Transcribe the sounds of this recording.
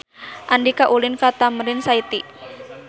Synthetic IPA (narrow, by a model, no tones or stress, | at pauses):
ʔandikaʔulɪnkat̪aməɾɪnsait̪i